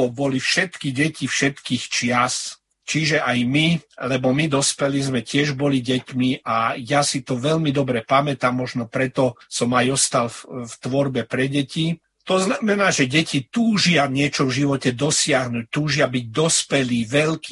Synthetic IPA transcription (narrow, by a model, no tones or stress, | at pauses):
bɔlifʃɛt̪kiɟɛcifʃɛt̪kiːxt͡ʃɪas | t͡ʃiʒɛʔajmilɛbɔmid̪ɔspɛlizmɛcɪɛʒbɔliɟɛcmiʔajasit̪ɔʋɛʎmid̪ɔbɾɛpamɛt̪amːɔʒnɔpɾɛt̪ɔsɔmajɔst̪alft̪ʋɔɾbɛpɾɛɟɛci | t̪ɔznamɛnaːʒɛɟɛcit̪uːʒɪaɲɪɛt͡ʃɔvʒiʋɔcɛd̪ɔsɪaɦnuːc̚t̪uːʒɪabiɟ̚d̪ɔspɛliːʋɛʎki